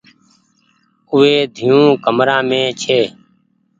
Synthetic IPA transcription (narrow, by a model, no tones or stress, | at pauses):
ʊːeːd̪ʱijũːkəmɾãːmẽːt͡ʃʰeː